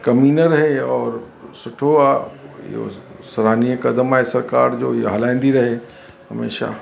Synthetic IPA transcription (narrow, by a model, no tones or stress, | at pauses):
kɐmiːnəɾɐɦeɔːɾ | sʊʈʰoajo̰ | sɐɾaːniekɐd̪əmaesɐɾkaːɾd͡ʒoːɦɐlãːnd̪iɾɐɦe | ɦɐmḛːʃa̰